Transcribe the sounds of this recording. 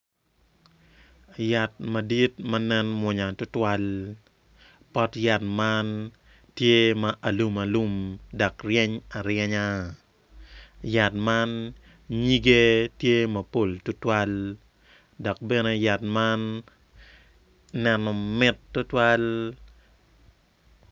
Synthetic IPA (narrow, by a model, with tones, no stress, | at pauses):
ja˨t̚ma˨di˦tmɐ˦nɛ˦nmwʊ˨ɲa˨tʊ˦twa˦l | pɔ˦tja˨tma˦n | tje˦ma˦ʔa˨lu˦ma˨lu˦mda˨krjɛ˦ɲa˨ɾjɛ˦ɲa˦ | ja˨t̚ma˦n | ɲi˦ɡe˦tje˦mɐ˨po˦˨ltʊ˦twa˦l | dɔ˨k̚bɛ˦ne˦ja˨t̚ma˦n | nɛ˨nɔ˨mɪ˦tːʊ˦twa˦l